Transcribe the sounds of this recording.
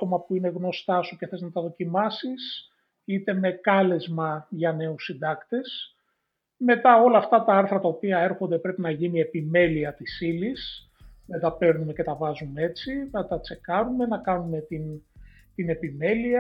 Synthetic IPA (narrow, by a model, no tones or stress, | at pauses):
t̪o̞mɐpuine̞ɣno̞st̪ɐsuce̞θeznɐt̪ɐðo̞cimɐsis | it̪e̞me̞kɐle̞zmɐʝɐne̞usind̪ɐkt̪e̞s | me̞t̪ɐo̞lɐːft̪ɐt̪ɐɐɾθɾɐt̪ɐopiɐe̞ɾxo̞nd̪e̞pɾe̞pinɐʝinie̞pime̞liɐt̪isilis | nɐt̪ɐpe̞ɾnume̞ce̞t̪ɐvɐzumee̞t͡sinɐt̪ɐt͡se̞kɐɾume̞nɐkɐnume̞t̪in | t̪ine̞pime̞liɐ